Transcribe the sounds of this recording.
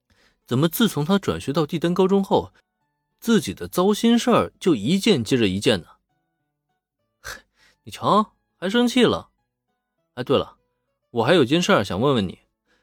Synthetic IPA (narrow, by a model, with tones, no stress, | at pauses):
t͡sə˨˩nmə˦t͡sɹ̩˥˩t͡sʰʊ˧˥ŋt̪ʰa˥ʈ͡ʂwa̰˨˩nɕɥɛ˧˥t̪ɑ˥˧ʊt̪i˥˩t̪a˥nkɑ˥ʊʈ͡ʂʊ˥ŋxo˥˩ʊ | t͡sɹ̩˥˩t͡ɕi˨˩d̪ə˦t͡sɑ˥ʊɕi˥nʂə˥˩t͡ɕjo˥˩ʊi˧˥t͡ɕjɛ˥˧nt͡ɕjɛ˥ʈ͡ʂə˩i˧˥t͡ɕjɛ˥˩nnə˩ | ni˨˩t͡ɕʰɑ˧˥ | xa˧˥ɪʂ̬ɤ˥ŋt͡ɕʰi˥˩lə̰˩˧˥ | ɪt̪we˥˩ɪlə̰˩ | wɔ˨˩xa˧˥ɪjo˨˩ʊt͡ɕjɛ˥˧nʂə˞˥˩ɕjɑ˨˩ŋwə˥˧nwə˥˩nḭ˨˩˦